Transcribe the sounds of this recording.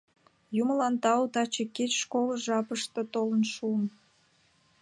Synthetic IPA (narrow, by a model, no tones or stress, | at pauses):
juməlɑnt̪ɑut̪ɑt͡ɕeket͡ɕʃkoləʒɑpəʃt̪ət̪olənʃuəm